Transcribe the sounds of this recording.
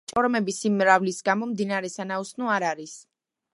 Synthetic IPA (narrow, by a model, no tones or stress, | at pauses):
t͡ʃʼɔɾmɛbisimːɾavlisɡamɔmd̪inaɾɛsanausnuaɾaɾis